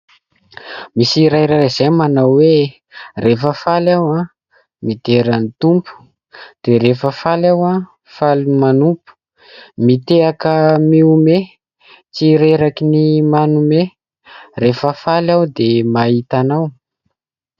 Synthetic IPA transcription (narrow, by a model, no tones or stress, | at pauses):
misiɾajɾaɾazajmanawwe | refəfalawa | mid̪eɾanit̪umpu̥ | d̪̥eɾefəfalawã | falmanupu̥ | mit̪eakəmiume | t͡siɾeɾakinimanume | refəfalawd̪emait̪anaw